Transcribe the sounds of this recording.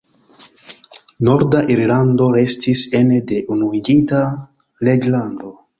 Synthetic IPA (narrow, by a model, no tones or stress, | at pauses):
no̞ɾdaʔiɾlando̞ɾe̞stise̞ne̞de̞ʔunuid͡ʒita | le̞d͡ʒlando̞